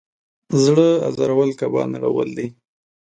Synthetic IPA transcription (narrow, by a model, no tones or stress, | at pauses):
zɽəazɑɾawəlkabɑ̰naɽa̰wə̰ld̪i